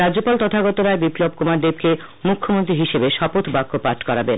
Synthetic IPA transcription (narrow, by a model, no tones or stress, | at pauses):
ɾadd͡ʑopalt̪ɔt̪ʰaɡɔt̪oɾaebiplobkomaɾd̪eb̚ke | mukʰːomont̪̬ɾiɦiʃebeʃɔpot̪bakːopaʈʰkɔɾaben